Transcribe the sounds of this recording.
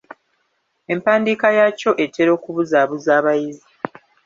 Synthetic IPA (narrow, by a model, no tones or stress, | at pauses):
e̞mpaːndiːkajaco̞ʔe̞tʰːe̞ɾo̞ːkuβuzaːβuzaːβajizi